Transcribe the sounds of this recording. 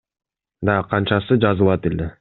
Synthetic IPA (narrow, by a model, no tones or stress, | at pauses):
d̪ɑqʰɑnt͡ʃɑsɯd͡ʒɑzɯlˠɑt̪elʲe